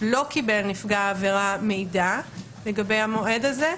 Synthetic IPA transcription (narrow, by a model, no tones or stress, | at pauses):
lo̞kibelnifɡaːveʁame̞jda | leɡabejhamo̞ʔe̞daze